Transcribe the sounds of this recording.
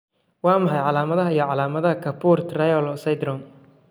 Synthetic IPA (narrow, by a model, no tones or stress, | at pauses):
wɑːmɑħɑjʕɑlaːmɐðɐɦɐijɔʕɑlaːmɐðɐɦɐkʰɐpʰuːrt̪ʰrɐjɔlɔsɐjd̪rɔm